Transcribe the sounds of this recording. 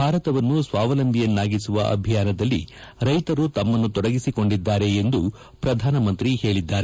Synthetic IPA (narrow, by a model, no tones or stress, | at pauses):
bʱaːɾɐt̪ɐʋɐnːusʋaːʋɐlɐnd̪ijɐnːaːɡisuʋɐʔɐ̰bʱijaːnɐd̪ɐlːḭ | ɾɐjt̪ɐɾut̪ɐmːɐnːut̪ɔɽɐɡisiko̞ɳɖid̪ːaːɾe̞ːnd̪u | pɾɐd̪ʱaːnɐmɐnt̪ɾihe̞ːɭid̪ːaːɾe